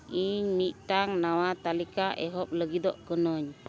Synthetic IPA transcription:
iɲmiʔt̪aŋnawat̪alikaʔeɦɔp̚ləɡid̪ɔʔkənɔɲ

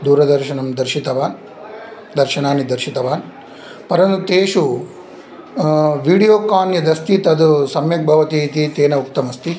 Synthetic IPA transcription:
d̪uːɾɐd̪ɐɾʃɐnɐmd̪ɐɾʃit̪ɐʋaːn | d̪ɐɾʃɐnaːnid̪ɐɾʃit̪ɐʋaːn | pɐɾɐnut̪eːʃu | ʋiːɽijoːkaːnjɐd̪ɐst̪it̪ɐd̪usɐmjɐk̚bʱɐʋɐt̪it̪it̪eːnɐuk̚t̪ɐmɐst̪i

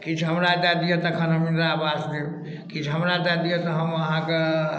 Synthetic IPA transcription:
kit͡ʃʰɦəmɾad̪ad̪ijet̪əkʰənɦəminɾaːbasd̪e | kit͡ʃʰɦəmɾad̪ad̪ijet̪əɦəməɦãke

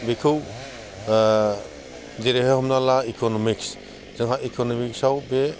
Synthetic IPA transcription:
bekʰɯw | zeɾehehɔmnalaikʰɔnɔmiks | z̥ɯŋɦaikʰɔnɔmiksawbe

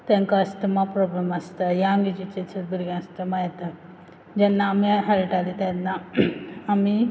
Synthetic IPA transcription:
t̪ɛ̃ŋkaəst̪əmapɾɔblemast̪əjaːŋɡit͡ɕit͡ɕesət̪̚biɾɡãst̪əmajet̪ə | d͡ʑɛnːaːmiɦɛlʈalit̪jɛnːaː | mi

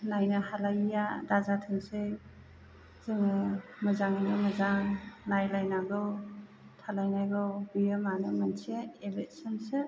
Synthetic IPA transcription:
najnɯhalajjadazatʰɯŋsɯj | zɯŋɯmɯzaŋinɯmɯzaŋnajlajnaɡɔ | tʰalajnajɡɔwbijamanɯmansieebet̚sɯnse

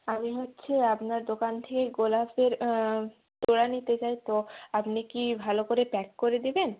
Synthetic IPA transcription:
amiɦotːɕʰeapnaɾd̪okant̪ʰekeɡolafeɾ | t̪oɽanit̪et͡ɕajt̪oapnikibʱalokoɾepɛkkoɾed̪iben

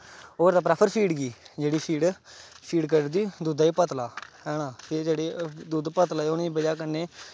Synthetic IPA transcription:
oːɾt̪aːpɾaːpʰəɾpʰiːɖɡiːd͡ʒeːɽiːpʰiːɖ | pʰiːɖk̬əɾd̪iːd̪uːd̪aːiːpət̪laːɦɛːnãːteːd͡ʒeːɽeːd̪uːd̪pət̪laːeːʊnĩbəd͡ʒaːk̬ənːeː

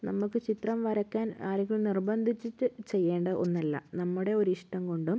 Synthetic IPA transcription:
nɐmːukːɨt͡ɕit̪rɐmʋɐɾɐkːaːnaːɾɐŋkːiɭnirbɐnd̪ʱit͡ɕːitːɨt͡ɕe̞jːeːɳɖɐʔo̞nːɐlːɐ̰nɐmːuɽe̞o̞ɾuiʂʈɐmko̞ɳɖum

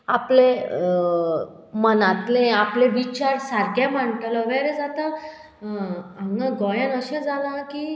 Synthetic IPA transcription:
aple | mənat̪lẽapleʋit͡ɕaɾsaɾkãm̤əɳʈlɔʋɛɾed͡zat̪a | ãŋãɡɔjə̃nəɕẽd͡zalãki

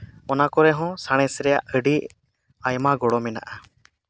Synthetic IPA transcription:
ɔnakɔɾɛɦɔ̃saɽ̃ɛsɾɛjaʔəɖi | ajmaɡɔɽɔmɛna̰ʔa

